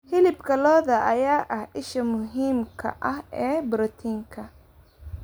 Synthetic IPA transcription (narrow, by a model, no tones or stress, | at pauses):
hɪlɪbkʰɐlɔːðɐʔɐjaːʔɐhʔɪʃɐmʊɦiːmkʰɐ̰ʔɐhɛːbɾɪt̪ʰiːŋkʰɐ